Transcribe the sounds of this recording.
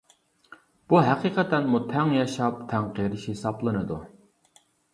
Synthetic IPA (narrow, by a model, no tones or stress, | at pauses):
b̥uɦæqʰiːqʰət̪ɛnmut̪ʰɛŋjɑʃɑp̚t̪ʰɛŋqeɾɪʃhesɑplˠɨnɨd̪u